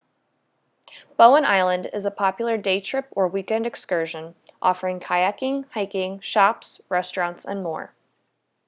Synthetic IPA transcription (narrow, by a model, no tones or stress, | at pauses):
b̥oʊə̃nʔa̰ɪlˠə̃ndɪ̰zəpʰɑpjl̩ˠə˞deɪtʰɹ̥ɪpə˞wikɛ̃ndɨkskɜ˞ʒɨ̃nʔɔ̰fə˞ɪ̃ŋkʰaɪækɪ̃ŋhaɪkɪ̃ŋʃɑpsɹɛstɹ̥ɑ̃ntsə̰̃nmɔ̰ɹ